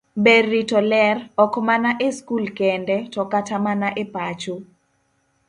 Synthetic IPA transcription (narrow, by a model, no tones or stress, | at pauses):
berːitɔlɛrɔkmanaʔeskulkɛndɛtɔkatamanaʔepat͡ʃu